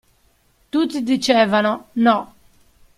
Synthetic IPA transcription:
t̪ut̪ːid̪it͡ʃɛːvanɔnɔ

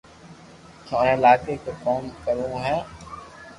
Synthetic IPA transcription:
t͡ʃʰõːɛ̃ːɪlaːkeːkoːkoːmkəɾõːɦɛ̃ː

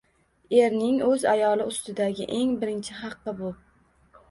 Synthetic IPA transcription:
e̞ɾnɪŋɵzajɒlˠɪʊst̪ɪd̪aɡʲɪ̰ʔe̞ŋbɪɾɪnt͡ʃʰɪχɑqːɨbʊ

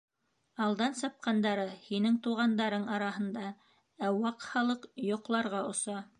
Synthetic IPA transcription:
ɑlˠd̪ɑnsɑp̚qɑnd̪ɑɾɤhinɘŋt̪uʁɑnd̪ɑɾɤɴɑɾɑɦɤ̆nd̪ɑ | æwɑqhɑlˠɤqjŏqlˠɑɾʁɑŏsɑ

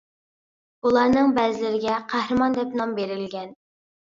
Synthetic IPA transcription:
ulˠɑɾnɨŋbɛzɪlɪɾɪɡʲɛqʰæhɾɨmɑnd̪ɛpnɑmbeɾɪlɡʲɛn

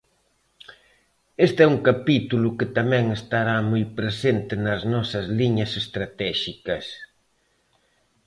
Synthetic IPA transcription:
est̪ɛuŋkapit̪ulʊkɪt̪amɛ̃ŋest̪aɾamojpɾesent̪ɪnɐznɔsɐzliɲɐsest̪ɾat̪ɛʃikɐs

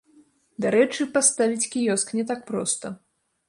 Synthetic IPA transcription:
d̪aɾɛt͡ʂɨpast̪avʲit͡sʲkʲijɔsknʲɛt̪ak̚pɾɔ̰st̪ɐ

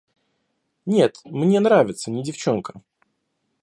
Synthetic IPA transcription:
nʲe̞t̪mnʲe̞nɾavʲɪt̪sənʲɪdʲɪft͡ɕo̞nkə̥

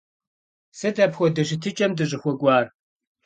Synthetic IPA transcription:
sɨdɐpxʷɔdɐɕ̬ɪtʰɨt͡ʃʼɐmdɨɕʼɪxʷɔkʷʼɑːr

